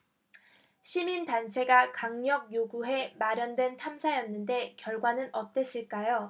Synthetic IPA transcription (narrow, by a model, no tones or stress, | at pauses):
ɕʰimintant͡ɕʰe̞ɡakaŋɲjʌɡ̚joɡuɦe̞maɾjʌndwe̞ntʰamsʰajʌnːɯnde̞kjʌɭɡwanɯnʌt͈es͈ʰiɭk͈ajo